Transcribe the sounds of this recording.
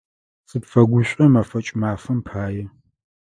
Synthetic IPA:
sɨpfɐɡʷʊɕʷʼɐmafɐt͡ʃʼmaːfɐmpʰaːjɛ

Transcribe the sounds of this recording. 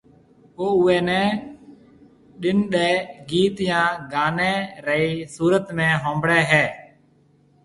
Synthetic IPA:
oːʊːɛːnɛː | ɗɪnɗɛːɡiːt̪jãːɡaːnɛːɾəiːsuːɾət̪mẽːɦõːmbɽɛːɦɛː

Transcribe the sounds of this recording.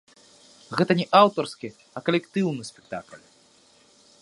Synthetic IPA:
ɣɛt̪ɐnʲɛʔawt̪ɐrskʲi | ɐkɐlʲɛkt̪ɨwnɨsʲpʲɛk̚t̪aklʲ

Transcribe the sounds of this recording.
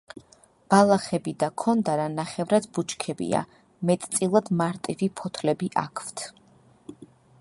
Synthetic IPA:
b̥alˠaχɛbid̪akʰɔnd̪aɾanaχɛvɾad̪but͡ʃkʰɛbḭa̰ | mɛt̪ʼt̪sʼilˠad̪maɾt̪ʼivipʰɔt̪ʰlɛbiʔa̰kʰvt̪ʰ

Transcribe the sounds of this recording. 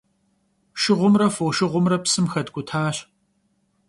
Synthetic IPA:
ʃɪʁʷʊmrɐfoːʃɨʁʷʊmrɐpsɨmxɐdɡʷʊtʰaːɕ

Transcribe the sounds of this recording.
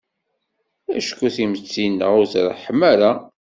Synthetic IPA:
æ̰ʃkːuθimət͡sːinːə̰ʁʊzɾˤə̰ħəmːæɾa

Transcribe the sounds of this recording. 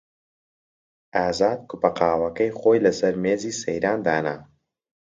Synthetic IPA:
ʔaːzaːd̪̚kʊpɐqaːwɐkɐjχoːjlɐsɐɾmeːziːsɐjɾaːnd̪aːna̰

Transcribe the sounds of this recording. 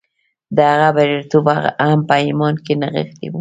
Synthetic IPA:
d̪əhaɣabaɾeɾt̪obaaampaimɑnkenaɣə̰xt̪ḭwu

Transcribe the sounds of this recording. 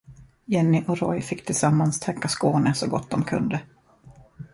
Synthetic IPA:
jɛnːɪʔɔɾɔjfɪkːt̪ʰɪlsamːanst̪ʰɛkːaskoːnəsɔɡɔ̰t̪̚ːd̪ɔmkʰɵ̰nd̪ə

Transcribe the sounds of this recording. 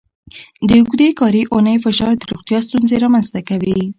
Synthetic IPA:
d̪əɡd̪ekɑɾiʔʊnəjfɪʃɑɾd̪əɾuɣt̪jɑst̪unzeɾɑmanzt̪akawi

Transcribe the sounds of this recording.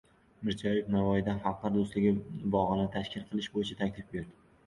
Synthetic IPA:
mɪɾzɒjefnavɒjɪd̪afɑlqɑɾd̪ʊslɪɡʲɪbɒʁɨnɪt̪ʰaʃkʲʰɪlˠqʰɨlˠɪʃbojɪt͡ʃʰat̪ʰakʲt̪ʰɪfbe̞ɾd̪ɪ

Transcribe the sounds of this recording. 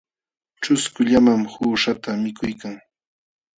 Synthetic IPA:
t͡ʃʊskʊʎamamhuːʃat̪amɪkʊjkaŋ

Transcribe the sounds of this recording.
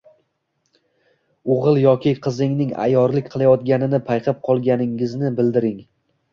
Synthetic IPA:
oʁɨlˠjɒkʲʰɪqʰɨzɪŋnɪŋa̰jɒɾlɪkʲqʰɨlˠajɒt̪̚ɡʲanɪnɪpʰajqʰɨp̚qʰɒlˠɡʲanɪŋɪznɪbɪld̪ɪɾɪŋ

